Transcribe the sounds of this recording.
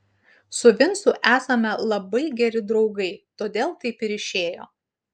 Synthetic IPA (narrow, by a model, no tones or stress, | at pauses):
sʊʋʲɪnsʊʔæːsɐmʲɛlˠɐbɐɪɡʲɛɾʲɪd̪ɾɒʊɡɐɪt̪oːd̪ʲeːlˠt̪ɐɪpɪɾɪʃʲeːjo̰ː